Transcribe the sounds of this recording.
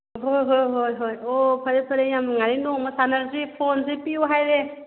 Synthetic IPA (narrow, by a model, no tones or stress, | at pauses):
ɦojɦojɦojɦojopʰəɾepʰəɾejamŋaɾinɔmasanalzipʰonzipiuwɦajɾe